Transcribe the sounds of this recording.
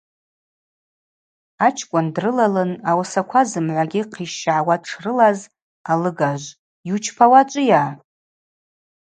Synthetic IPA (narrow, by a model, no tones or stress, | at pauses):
at͡ʃʰkʷʼʊndrɨlalɨnawsakʷʰazɨmʕʷaɡʲɪqʰiʃaʕwaʈ͡ʂʰrɨlaz | alɨɡaʒʷ | jut͡ʃʰpʰawat͡ʃʷʼʊjaː